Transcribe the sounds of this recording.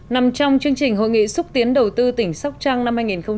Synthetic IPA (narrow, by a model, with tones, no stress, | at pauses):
na˨˩mt͡ɕɔ˧wŋ͡mt͡ɕɨ˧əŋt͡ɕï˨˩ŋ̟ɦo̰˧˨jŋḭ˧˨sʊ˦˥k͡p̚t̪i˨˦ənɗə˨˩wt̪ɨ˧t̪ï˧˩ŋ̟sa˦˥wk͡p̚t͡ɕaː˧ŋna˧mhaː˧jŋi˨˩nxə˧wŋ͡m